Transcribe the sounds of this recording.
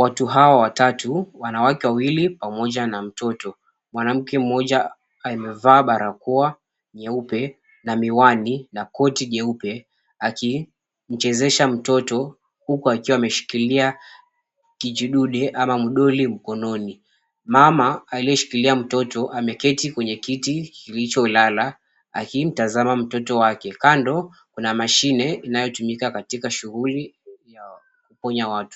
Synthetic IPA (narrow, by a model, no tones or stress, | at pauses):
watuɦawawatatuwanawakɛwawilipamɔʄanam̩tɔtɔ | mwanam̩kɛm̩mɔʄaː | imɛvaːɓaɾakua | ɲɛupɛ | namiwaninakɔtiʄɛupɛ | aki | m̩t͡ʃɛzɛʃam̩tɔtɔ | hukuakiwaːmɛʃi̥kilia | kid͡ʒiɗuɗɛʔamamuɗɔlim̩kɔnɔni | mamaːliɔʃi̥kiliam̩tɔtɔʔamɛkɛtikwɛɲɛkitikilit͡ʃɔlala | a̰kim̩tazamam̩tɔtɔwakɛkandɔ | kunamaʃinɛinajɔtumikakatikaʃuɣulija | kupɔɲawatu̥